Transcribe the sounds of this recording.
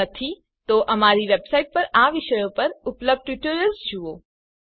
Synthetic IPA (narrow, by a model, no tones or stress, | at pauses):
ət̪ʰi | t̪oʔɐmaɾiʋebsaiʈ̚pəɾaʋɪʃəjõpəɾʊpləb̚ɖ̚ʈʋɪʈəɾjəlzd͡ʒuʋo